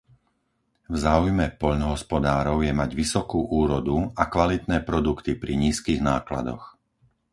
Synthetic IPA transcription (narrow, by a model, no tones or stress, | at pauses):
vzaːujmɛpɔʎnɔɦɔspɔd̪aːɾɔʊjɛmaɟʋisɔkuːʔuːɾɔd̪uakʋalit̪nɛːpɾɔd̪ukt̪ipɾiɲiːskiːɣnaːkla̰d̪ɔ̰x